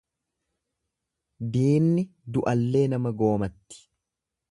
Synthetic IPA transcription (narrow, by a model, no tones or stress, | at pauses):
d̪iːnːɪd̪ʊʔɐlːe̞ːnɐmɐɡo̞ːmɐt̪ːɪ̥